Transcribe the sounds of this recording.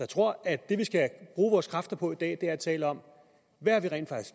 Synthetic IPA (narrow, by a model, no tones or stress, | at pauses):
jat͡sʰʁo̝ɐ̰æd̥e̝ʋisɡ̥æb̥ʁuːʋɒːskʰʁɑ̈fd̥ɐpʰɒ̽id̥ɛ̰ːd̥e̝æɐæt͡sʰɛ̰ːləɒ̽m̰ | ʋææɐʋiʁɛ̰ːn̥fɑ̈ɡ̥isɡ̥